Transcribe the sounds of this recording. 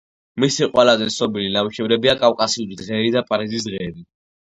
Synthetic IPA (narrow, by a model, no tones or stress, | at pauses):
misiqʼwɛlazɛsɔbilinawiʃɛvɾɛbiakʼafkʼasiuld̪ʁɛːɾid̪apʼaɾizisd̪ʁɛːbi